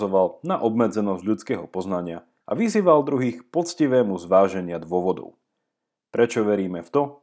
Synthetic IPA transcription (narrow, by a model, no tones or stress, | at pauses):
zɔʋalnaʔɔbmɛd͡zɛnɔzɟʎut͡skɛːɦɔpɔznaɲɪa | ʔa̰ʋiziːʋald̪ɾuɦiːxpɔt͡sciʋɛːmuzʋaːʒɛɲɪad̪ʋʊɔʋɔd̪ɔ̰ʊ | pɾɛt͡ʃɔʋɛɾiːmɛft̪ɔ